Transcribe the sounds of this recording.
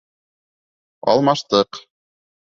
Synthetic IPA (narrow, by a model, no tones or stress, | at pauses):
ɑ̰lˠmɑʃt̪ɤq